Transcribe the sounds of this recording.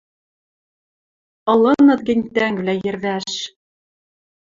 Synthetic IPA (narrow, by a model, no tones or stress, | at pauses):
ɤ̆lˠɤnɤ̆ðɡɘ̆nʲt̪æŋb̆læjɘ̆ɾðæʃ